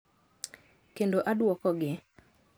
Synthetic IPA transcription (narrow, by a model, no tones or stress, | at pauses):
kendoʔadwɔkɔɡɪ